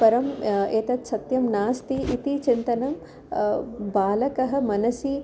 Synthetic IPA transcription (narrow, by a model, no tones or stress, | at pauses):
pɐɾɐmeːt̪ɐt̪sɐt̪jɐmnaːst̪iʔit̪it͡ʃint̪ɐnɐm | baːlɐkɐɦɐ̆mɐnɐsi